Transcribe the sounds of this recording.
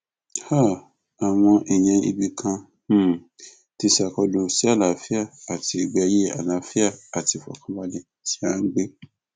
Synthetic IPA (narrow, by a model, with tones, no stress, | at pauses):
ha˦˨ | a˨w̃ɔ̃˧ʔi˨j̃ɛ̃˧ḭ˧bi˧kʰã˧˦˨ | ti˧sa˨kɔ˧dũ˧si˨˦a˦˨la˨fi˦a˦˨a˨ti˧i˨ɡ͡bɛ˧˦je˦a̰˨lã˨˦fi˦a˦˨a˨ti˨˧˨fɔ̰˨kʰã˦wa˦le˧˨ | ti˦a˦ɡ͡be˦